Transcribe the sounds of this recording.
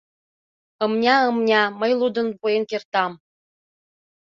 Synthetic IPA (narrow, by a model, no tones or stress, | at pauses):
ɤ̆mnʲɑɤ̆mnʲɑmə̆jlˠud̪ɤ̆npujenkert̪ɑm